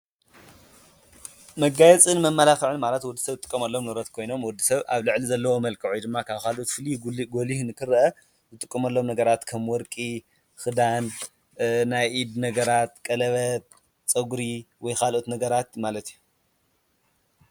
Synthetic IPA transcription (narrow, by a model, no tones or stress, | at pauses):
mɐɡajɛt͡sʼɨnmɐmːɐlaxɨʕɨnmalɐt̪wɔd̪ːɨsɐβɨt̪ʼɨkʼːɐmɐlːo̞mnɨɾɐt̪kʰo̞jno̞mwɔd̪ːisɐβa̰βlɨʕlizɐlːɐwomɐlkʰɐʕujd̪ɨmːakʰaβkʰalʔut̪fɨliɡolihnɨkʰɨɾʔɐ | zɨt̪ʼɨkʼːɐmɐlːo̞mnɐɡɐɾat̪kʰɐmwɔɾkʼi | xɨd̪an | najʔid̪nɐɡɐɾat̪̚kʼɐlɐβɐt̪̚ | t͡sʼɐɡuɾiwɔjkʰalʔut̪nɐɡɐɾat̪malɐt̪iju